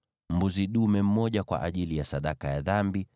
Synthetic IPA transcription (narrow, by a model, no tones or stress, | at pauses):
m̩buziɗumɛm̩mɔʄakwa̰ʔaʄilijasaɗakajaðambi